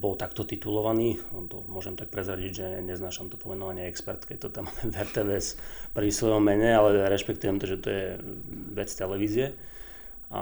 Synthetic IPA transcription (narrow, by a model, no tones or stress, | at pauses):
bɔlt̪akt̪ɔt̪it̪ulɔʋaniːt̪ɔmʊɔʒɛmt̪ak̚pɾɛzɾaɟiɟʒɛɲɛznaːʃamt̪ɔpɔmɛnɔʋaɲɪɛɛkspɛ̰ɾt̪kɛc̚t̪ɔt̪amamɛvɛɾt̪ɛːʋɛspɾisʋɔjɔmmːɛɲɛalɛɾɛʃpɛkt̪ujɛmt̪ɔʒɛt̪ɔjɛʋɛt͡st̪ɛlɛʋiːzɪjɛ | a̰